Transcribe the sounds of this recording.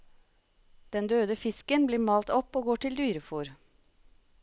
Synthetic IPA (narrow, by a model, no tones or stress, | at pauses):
d̪̥ɛnd̪øːd̪əfɪskənbliːmɑːlt̪ɔpoːɡoːʈɪld̪yːɾəfuːɾ